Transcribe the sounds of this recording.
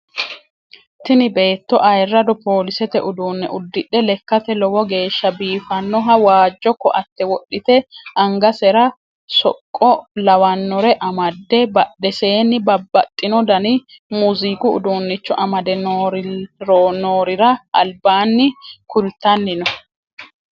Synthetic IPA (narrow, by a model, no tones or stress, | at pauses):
t̪ɪnɪbe̞ːt̪ːɔʔɐjrːɐd̪ɔpo̞ːlɪsɛt̪ɛʔʊd̪uːnːɛʔʊd̪ːɪᶑːɛlɛkːɐt̪ɛlɔwɔɡe̞ːʃːɐbiːfɐnːɔɦɐwaːd͡ʒːɔkːɔʔɐt̪ːɛwɔɗːɪt̪ɛʔɐŋɡɐsɛɾɐ | sɔ̰kʼːɔlɐwɐnːɔɾɛʔɐmɐd̪ːɛbɐɗɛse̞ːnːɪbɐbːɐt̪ʼːɪnɔd̪ɐnɪ | muzikʊʊ̰d̪uːnːɪt͡ʃːɔʔɐmɐd̪ɛnoɾɾonoːɾɪɾɐʔɐlbaːnːɪkʊlt̪ɐnːɪnɔ